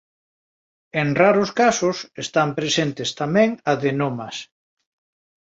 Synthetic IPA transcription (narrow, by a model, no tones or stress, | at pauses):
eŋraɾʊskasʊsest̪ampɾesent̪est̪amɛ̃ŋaðenomas